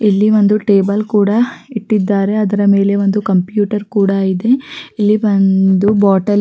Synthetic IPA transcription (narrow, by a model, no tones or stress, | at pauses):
ilːiʋond̪uʈeːbɐlkuːɽaiʈːid̪ːaːɾe̞ɐd̪ɐɾɐme̞ːle̞ʋond̪ukɐmpjuːʈɐɾkuːɽaːjid̪e̞ilːibɐnd̪ubaːʈɐl